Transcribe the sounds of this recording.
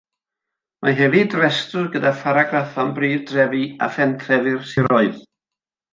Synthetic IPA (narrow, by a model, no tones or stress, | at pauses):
mʔaɦɛvidrɛstʊɡədafaɾaɡraθɔnbriːðdrɛvia̰fɛntʰrɛvɨrsiɾɔɨð